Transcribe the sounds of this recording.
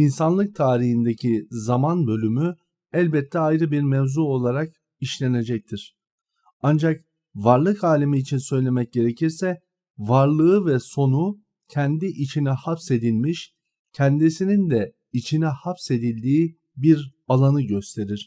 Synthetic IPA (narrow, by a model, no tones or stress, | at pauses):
insanlˠɯk̚t̪ʰaːɾihind̪ecʰizamanbø̞lʲymy | ælʲbɛt̪ʰːɛajɾɯbiɾmɛvzuo̞lˠaɾak | iʃlʲe̞ne̞d͡ʒɛc̚t̪ʰiɾ̥ | and͡ʒak | vaɾlˠɯkaːlʲimiːt͡ʃʰinsø̞jlʲe̞mɛc̚ɟe̞ɾe̞cʰiɾsɛ | vaɾlˠɯɯvɛso̞nu | cʰɛnd̪iʔit͡ʃʰinɛhapse̞d̪ilʲmiʃ | cʰɛnd̪isinind̪ɛ | it͡ʃʰinɛhapse̞d̪ilʲd̪iː | biɾ | alˠanɯɟø̞st̪ʰe̞ɾiɾ̥